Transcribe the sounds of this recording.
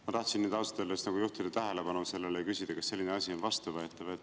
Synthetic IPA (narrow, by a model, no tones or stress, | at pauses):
mɑt̪ɑht̪sinːiːd̪ɑlsɑ̥t̪elːest̪nɑɡujuht̪id̪ɑt̪æɦe̞lebɑnuse̞lːelejkysʲid̪̥ɑkɑsːe̞lʲːineɑsʲio̞nvɑst̪uvøet̪ːˑɑvet̪ː